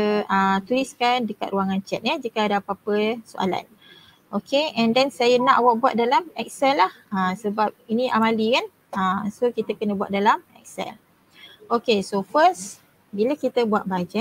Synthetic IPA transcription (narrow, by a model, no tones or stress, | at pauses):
ət̪uɾiskandəka̰t̪̚ɾuaŋant͡ʃɛ̰t̪̚ɲəd͡ʒikəadapapəsoʔa̰la̰n | okeɛ̃ndɛnsajana̰ʔawak̚bua̰t̪̚dalamɛk̚sɛlːah | əsəbap̚inĩʔamalikan | əsokit̪akənəbua̰t̪̚dalamɛ̰k̚sɛ̰l | okesofəs | bilakit̪əbuat̪̚bad͡ʒɛ